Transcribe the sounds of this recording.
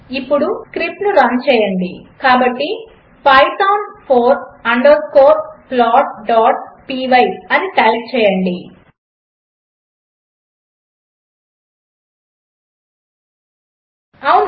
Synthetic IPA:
ipːuɽuskɾip̚nuɾɐnt͡ʃɛːjɐɳɖikaːbɐʈːi | pajʋt̪ɐwɳpʰoːɾɐɳɖɐɾskoːɾplaːʈ̚ɖaːʈ̚piːʋɐjɐniʈaːlk̚t͡ʃɛːjɐɳɖi | ɐwn

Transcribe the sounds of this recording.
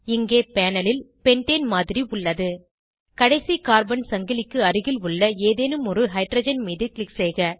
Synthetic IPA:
ɪŋɡeːpeːnɐlɪlpɛɳʈeːnmaːðɪɾiʊɭːɐðɯ | kɐɽɐɪsikaːɾbɐnsɐŋɡɪlɪkːɯɐrɯɣɪlʊɭːɐeːðeːnɯmɔɾɯɦɐɪʈrɐːd͡ʒɐnmiːðɪɯklɪksɛːɣɐ

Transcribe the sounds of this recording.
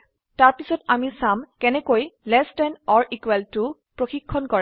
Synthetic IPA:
taɹpisɔtamisamkɛnɛkojlɛstɛnɔɹikwɛltʊ | pɹoxikʰːɔnkɔɹ

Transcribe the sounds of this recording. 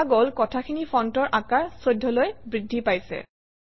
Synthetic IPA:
ɡolkɔtʰakʰinipʰɔntɔɹʔakaɹsojdʱːɔlojbɹidʱːipajsɛ̰

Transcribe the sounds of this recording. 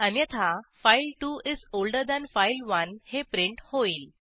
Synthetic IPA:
anjət̪ʰafajlʈuizolɖəɾd̪æ̃nfajlʋənhepɾeɳʈhoiːl

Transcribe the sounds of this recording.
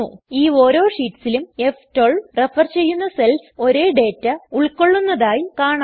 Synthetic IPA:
uiːo̞ːɾo̞ːʂiːʈːsilume̞ftoːɭrefɐrt͡ɕe̞jːunːɐselso̞ɾeːɖe̞ːtːɨuɭko̞ɭːunːɐðaːjikaːɳa

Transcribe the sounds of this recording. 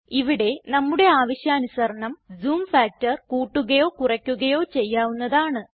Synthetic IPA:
iʋiɽe̞nɐmːuɽe̞aːʋɐɕjaːnusɐrɐɳɐmzuːmfaːk̚tɐrkuːʈːuɣɐjo̞ːkurɐkʲːuɣɐjo̞ːt͡ɕe̞jːaːʋunːɐðaːɳɨ

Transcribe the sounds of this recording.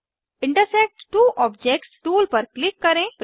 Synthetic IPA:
ɪ̃ɳʈəɾsek̚ʈʈuːʔɔːbd͡ʒek̚ʈsʈuːlpəɾklɪkːɐɾẽːp

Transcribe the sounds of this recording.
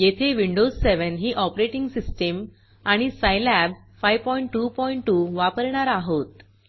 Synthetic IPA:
jet̪ʰeʋiɳɖod͡zseʋənɦiːʔɔpɾeʈiŋɡsisʈəm | aɽ̃isajlæb | fajʋpɔiɳʈːupɔiɳʈːuʋapəɾɳ̃aɾaɦot̪

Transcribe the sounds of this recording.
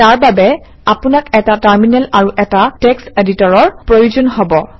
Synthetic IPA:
taɹbabɛ | apunakɛtataɹminɛlaɹuʔɛtatekseditɔɹɔɹpɹojuzɔnɦɔbɔ

